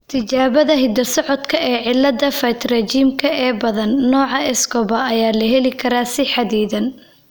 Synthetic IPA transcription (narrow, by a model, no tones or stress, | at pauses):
t̪ʰɪt͡ʃaːβɐðɐɦɪd̪ɐsɔʕɔd̪kʰɐʔɛːʕɪlːɐd̪ɐfɐt̪rɛt͡ʃiːmkʰɐɛːbɐðɐnːɔːʕɑɛskɔβɐɐjaːlɐɦɛlɪkʰɐɾaːsɪħɑd̪iːðɐn